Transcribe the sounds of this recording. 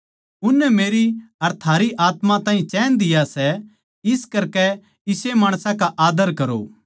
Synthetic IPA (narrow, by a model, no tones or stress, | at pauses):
ʊnːɛmeːɾiɐɾt̪ʰaːɾiʔaːt̪mãt̪ãːĩt͡ʃɛːnd̪ɪjasɛ | ɪskɐɾkɛ | ɪsemaːɽ̃sãkaʔaːd̪əɾkɐɾo̰